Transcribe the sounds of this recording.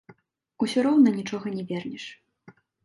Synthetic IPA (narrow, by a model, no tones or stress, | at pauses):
usʲuɾɔwnɐnʲit͡ʂɔɣɐnʲɛvʲɛrnʲiʂ